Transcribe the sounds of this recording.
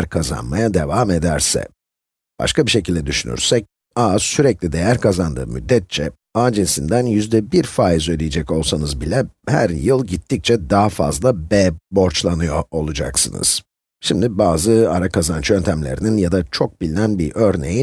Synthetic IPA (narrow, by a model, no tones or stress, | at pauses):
ɾkʰaza̰nmajad̪e̞vaːme̞d̪æɾsɛ̰ | b̥a̰ʃkabiʃe̞cilʲd̪ɛd̪yʃyny̰ɾsɛc̚ | aːsyɾɛclʲid̪e̞jæɾkʰazand̪ɯ̰ːmy̰d̪ːɛt̪̚t͡ʃʰɛ | aːd͡ʒensind̪ænjyzd̪ɛbiɾfaːizød̪ijed͡ʒɛco̞lˠsanɯzbilʲɛhæ̰ɾjɯlˠɟit̪ʰːic̚t͡ʃʰɛd̪aɦafa̰zlˠabɛːbo̞ɾt͡ʃlˠanɯjo̞o̞lˠud͡ʒa̰ksɯ̰nɯ̰z̥ | ʃimd̪ibaːzɯaɾakʰazant͡ʃʰø̞nt̪ʰæmlʲe̞̰ɾininjad̪at͡ʃʰo̞k̚bilʲinænbiʔø̞ɾne̞̰ji